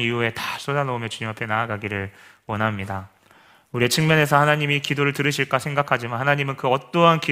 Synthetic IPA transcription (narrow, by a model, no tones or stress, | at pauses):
niue̞tas͈ʰodanʌumjʌt͡ɕuɲimapʰe̞naːɡaɡiɾɯɭ | wʌnɦamɲida | uɾiet͡ɕʰɯŋmjʌne̞sʰʌhanaɲimikidoɾɯɭtɯɾɯɕʰiɭk͈asʰe̞ŋɡakʰad͡ʑimanhanaɲimɯnkɯʌt͈ʌɦanki